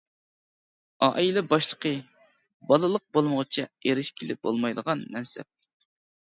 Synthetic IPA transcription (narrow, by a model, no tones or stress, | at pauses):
ɑʔilɛbɑʃlˠəqʰə | bɑlˠɨlˠəq̚bolˠməʁt͡ʃʰɛeɾɪʃkʲʰilɪp̚bo̰lˠmɑjd̪əʁɑnmɛnsɛ̰p̚